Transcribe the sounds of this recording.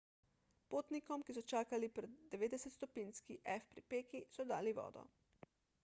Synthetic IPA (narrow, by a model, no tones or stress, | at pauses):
poːt̪nikɔmkisɔt͡ʃaːkalipɾɛd̪d̪ɛʋeːd̪ɛsɛt̪st̪ɔpiːnskiʔɛfpɾipeːkisɔd̪a̰ːliʋɔ̰ːd̪ɔ̰